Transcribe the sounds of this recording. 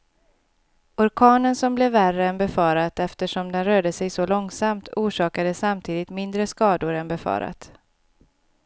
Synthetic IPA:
ʊɾkʰɑːnənsɔmblɛvːærəɛnbɛfɑːɾat̪ɛft̪əʂɔmd̪ɛnɾøːɖəsɛjsɔlɔŋsamt̪ʰuːʂɑːkad̪əsːamt̪ʰiːd̪ɪt̪mɪnd̪ɾəskɑːd̪ʊɾɛnbɛfɑ̰ːɾa̰t̪

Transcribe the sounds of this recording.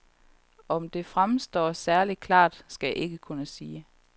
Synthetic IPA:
ɒ̽md̥e̝fʁamsd̥ɒ̰ːsæɐli̥kʰlɑ̰̈ːd̥sɡ̥æjaʔe̝ɡ̥əkʰunəsiː

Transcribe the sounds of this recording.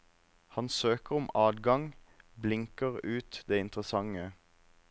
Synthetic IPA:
hɑnsøːkəʁɔmɑːd̪ɡɑŋblɪŋkəʁʉːt̪d̪eːɪnt̪ʁəsɑŋə

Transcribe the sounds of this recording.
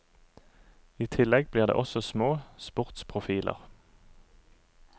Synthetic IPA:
iːt̪ʰɪlɛɡbliːʁd̪ḛːʔɔsɔsmoːspʊʁt̪spʰʁʊfiːlʔə̰ʁ

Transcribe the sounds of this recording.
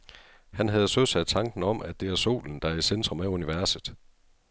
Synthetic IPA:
hænɦæð̞ˠsøð̰ˠsæd̥̚t͡sʰɑ̈ŋɡ̥n̩ɒ̽m̰ʔæd̥e̝æɐso̝̰ːln̩d̥ɑɐisend̥ʁɔ̽mæuniʋæɐsð̩ˠ

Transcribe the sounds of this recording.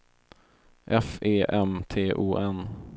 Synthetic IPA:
ʔɛfeːʔɛmt̪ʰeːʔuːʔɛn

